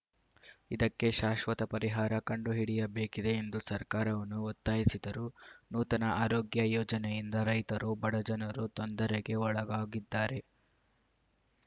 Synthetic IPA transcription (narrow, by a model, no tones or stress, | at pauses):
id̪ɐkːe̞ʃaːʃʋɐt̪ɐpɐɾiɦaːɾɐkɐɳɖuɦiɽijɐbe̞ːkid̪e̞ːnd̪usɐɾkaːɾɐʋɐnːuɔt̪ːaːɦisid̪ɐɾunuːt̪ɐnɐʔaːɾoːɡjɐjɔːd͡ʒɐnejind̪ɐɾɐjt̪ɐɾubɐɽɐd͡ʒɐnɐɾut̪ond̪ɐɾeɡe̞ɔɭɐɡaːɡid̪ːaːɾe̞